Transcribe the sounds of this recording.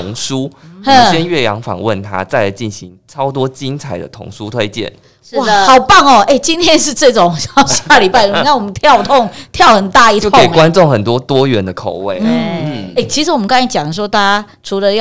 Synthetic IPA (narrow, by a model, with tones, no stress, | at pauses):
ʊ˧˥ŋsu˦˥u˥˨˩ɕɛ˥˦nɥɛ˥˩jɑ̰˧˥ŋfɑ̰˨˩ŋwə˥˨nt̪ʰa̰˦t͡sa˥˩ɪə˩t͡ɕi˥˩nɕi˧˦ŋʈ͡ʂʰɑ˥ʊt̪̬wɔ˦˥t͡ɕi˦˥nt͡sʰa˨˩ɪd̪ə̰˨t̪ʰʊ̰˧˥ŋsu˦t̪ʰwe˥ɪt͡ɕjɛ̰˥˨˩n˥ | wa˥˩xɑ˨˩ʊpa˥˩ŋɔ˨˩e˥˩ɪt͡ɕi˥nt̪ʰjɛ˥nʂɻ̩˥˧ʈ͡ʂɤ˥˩ʈ͡ʂʊ˨˩ŋɕjɑ˥˩ʊɕjaa˥˧li˨˩pa˥˩˨kʰa˥˩wɔ˨˩mə˦nt̪ʰjɑ˥˧ʊt̪ʰʊ˥˧ŋt̪ʰjɑ˥˩ʊxə˨˩nt̪a˥˧i˥o˥˨˥e˨˩kwa˦nʈ͡ʂʊ˥˨ŋxə˨˩nt̪̬wɔ˦t̪wɔ˥ɥɛ˨˥nd̪ə˨kʰo˨˩ʊwe˥˩ɪn̩˥e˥˩ɪt͡ɕʰi˧˥ʂɻ̩˧˥wɔ˨mə˦kɑ˥ŋa˥˩t͡ɕjɑ˨˩ŋd̪ə˩ʂwɔ˥t̪a˥˧t͡ɕa˥ | ʈ͡ʂʰu˧˥lə˧jɑ˥˨